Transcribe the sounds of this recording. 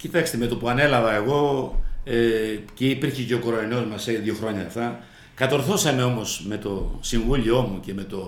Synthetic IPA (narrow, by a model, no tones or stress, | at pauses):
cit̪ɐkst̪eme̞t̪opuɐne̞lɐvɐe̞ɣo̞ | eceipiɾçeceokoɾoɐno̞zmɐseliðʝjo̞xɾo̞ɲɐft̪ɐ | kɐt̪o̞ɾθo̞sɐme̞o̞mo̞sme̞t̪o̞siɱvulio̞muce̞me̞t̪o̞